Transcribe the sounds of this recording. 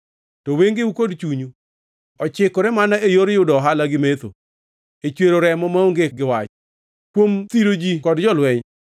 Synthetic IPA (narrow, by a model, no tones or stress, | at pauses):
tɔweŋɡeukodt͡ʃuɲu | ɔt͡ʃɪkɔɾɛmanaejoɾjʊdɔɦalaɡɪmet̪o̰ | et͡ʃweɾoɾɛmɔmaoŋɡeɡɪwat͡ʃ | kwomt̪iɾod͡ʒikɔdd͡ʒɔlwɛɲ